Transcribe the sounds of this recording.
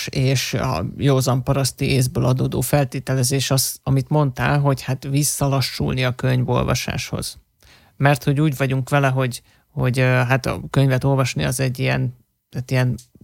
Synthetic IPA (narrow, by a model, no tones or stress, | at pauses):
eːʃɒ̰joːzɒmpɒɾɒst̪ieːzbøːlɒd̪oːd̪o̰ːfɛlt̪eːt̪ɛlɛzeːʃɒsɒmit̪mo̞nt̪a̰ːlɦo̞chat̪visːɒlɒʃːṵlniɒkøɲvo̞̰lvɒ̰ʃa̰ːʃho̞̰z̥ | mɛrt̪ho̞ɟuːɟvɒɟuŋkʋɛlɛɦo̞ɟ | ho̞ɟɦat̪ɒ̰kø̞ɲvɛt̪o̞lvɒʃniɒzɛɟːijɛ̰n | at̪ijɛn